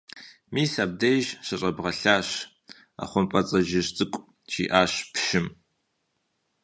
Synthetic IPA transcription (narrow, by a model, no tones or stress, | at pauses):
miːsaːb̚dejʒɕɐɕʼɐbʁɐɬaːɕ | a̰ːχʷʊmpʼɐt͡sʼɐʒɪɕt͡sʼɨkʷʼ | t͡ʃḭːʔaːɕpʃɪm